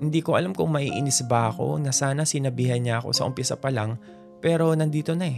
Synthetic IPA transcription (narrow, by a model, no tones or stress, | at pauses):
hɪnd̪iːko̞ʔɐlamkʊŋmɐʔḭːʔɪnɪsbɐʔɐko̞̰nɐsaːnɐsɪnɐbiːhɐnɲaʔɐko̞̰sɐ̰ʔʊmpɪsapɐlaŋ | pɛːɾo̞nɐnd̪iːt̪o̞nɐɛ